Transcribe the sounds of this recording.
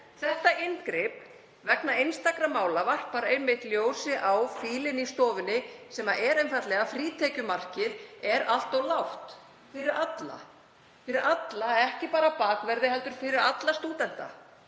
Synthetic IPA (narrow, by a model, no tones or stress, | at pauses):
θɛht̪aɪnkɾɪp̚ | vɛknaɪjnst̪akɾamːaːwlavar̥paɾaejmːɪht̪ljoːwsɪʔawfiːlɪnist̪ɔːvɪnːɪsɛmaʔɛɾejnfat̪lɛɣafɾiːt̪ʰɛcʏmar̥cɪðɛɾal̥t̪ɔwlawht̪ | fɪɾɪɾat̪la̰ | fɪɾɪɾʔat̪laɛhcɪpaːɾapaːkvɛɾðɪɦɛlt̪ʏɾ̥fɪɾɪɾat̪last̪uːt̪ɛn̥t̪a̰